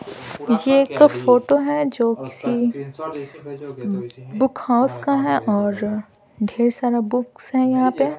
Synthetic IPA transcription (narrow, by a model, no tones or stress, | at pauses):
jekfoːʈoɦɛd͡ʒoːkɪ̥si | bʊkʰhaːʊskaɦɛʔɔːɾ | ɖʱeːɾsaːɾabʊksɦɛ̃jɐɦãpe